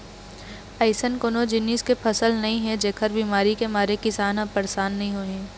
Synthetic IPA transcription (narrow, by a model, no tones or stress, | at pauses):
əɪsənkoːnod͡ʒɪniːskepʰɐsəlnɐɦĩɦɛ̃d͡ʒeːkʰəɾbiːmaːɾikemaːɾekɪsaːnəpəɾsaːnːɐɦĩɦoːẽː